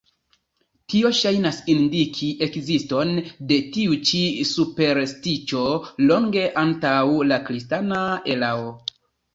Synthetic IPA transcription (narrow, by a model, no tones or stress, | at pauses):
tio̞ʃajnasindikʰiʔe̞kzisto̞nde̞tiut͡ʃisupe̞ɾstit͡ʃo̞lo̞ŋɡe̞ʔantawlakɾistanae̞lao